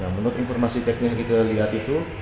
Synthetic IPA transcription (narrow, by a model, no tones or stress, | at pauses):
namunʊt̪infɔrmasit̪ɛk̚nɪskit̪aliɦat̪it̪u